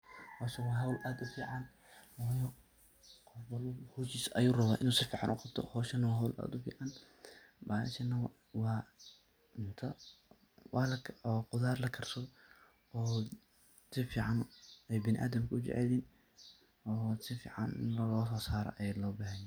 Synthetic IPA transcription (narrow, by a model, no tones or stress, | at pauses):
hɔːʃɐwɑːɦɐwlʔaːd̪ʊfiːʕɑn | wɑjɔ | qɔbɐluhɔːt͡ʃiːsʔɐjuːrɐβaːʔɪnuːsɪfiːʕɑ̰nʔʊqɑb̚t̪ʰɔ̰hɔːʃɐnɐwɑɦɐwlʔa̰ːd̪ʊfḭːʕɑn | baːʃɐnːɐw | wɑː | ʊnt̪ʰɐ | wɑːlɐkʰɔqʊðaːrlɐkʰɐrsɔ | ɔː | sɪfiːʕɑnɛjbɪnɪʔa̰ːd̪ɐmkʰɐʊt͡ʃɛ̰ʕɛ̰liːn | ɔːsɪfḭːʕɑnɪnlɐlɔːsɔːsaːɾɔ̰ʔɐjɛlɔːbaːɦɐnɛ